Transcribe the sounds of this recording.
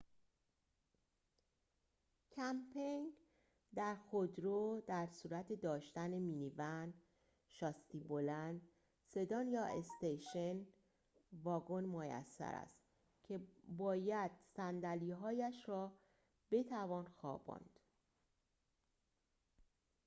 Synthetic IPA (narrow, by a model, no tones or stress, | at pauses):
cʰæmpʰeŋ | d̪æɾxod̪ɾoːd̪æɾsuːɾæt̪ʰe̞d̪ɒːʃt̪ænemiːnivænd̪ | ʃɒst̪ibolænd̪ | se̞d̪ɒːnjɒːest̪ejʃen | vɒːɡo̞nmojæ̰sːæ̰ɾæ̰st̪ | cʰe̞bɒːjæd̪̥sænd̪æliːɦɒːjæʃrɒː | b̥e̞t̪ʰævɒːnxɒ̰ːbɒ̰ːnd̪̥